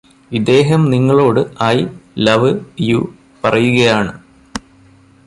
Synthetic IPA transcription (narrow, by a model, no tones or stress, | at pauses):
id̪e̞ːɦɐmniŋːɐɭo̞ːɽɨɐjlɐʋɨijuː | pɐrɐjuɣɐjaːɳɨ